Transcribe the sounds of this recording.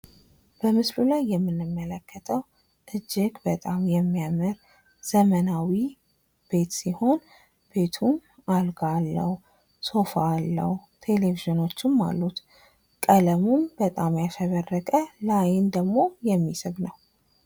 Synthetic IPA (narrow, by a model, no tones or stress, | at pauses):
b̥əmɨslulajːɛmːɨnːɨmːələkːət̪ʰəw | ʔɨd͡ʒːɪɡbət̪ʼamjɛmːijamɨɾ | z̥əmənawi | b̥e̞t̪siho̞n | b̥e̞t̪ʰun | alɡalːə̰h | so̞falːə̰hut̪ʰe̞le̞viʒɨno̞t͡ʃːɪmːa̰lːut̪ | kʼələmunbət̪ʼamjaʃɛβərːəkʼəlajɪnd̪əɡmo̞jɛmːisɨβnəw